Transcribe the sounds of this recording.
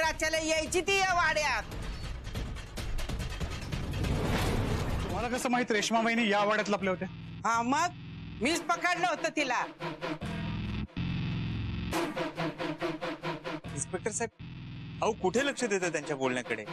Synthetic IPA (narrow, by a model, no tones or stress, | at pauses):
ɾat͡ɕalejəjt͡ɕit̪ijaʋaɽjat̪̚ | t̪um̤alakəsəːmaɦit̪ɾekʂmaʋajnijaʋaɽjat̪lapljaɦot̪je | ɦãməɡ̚ | miːt͡spəkaɽləɦot̪ət̪ʰila | inspek̚ʈəɾsajb̚ɦaukuʈʰeləkʂəd̪et̪ət̪jaɲt͡ɕjabolɳjakəɽḛ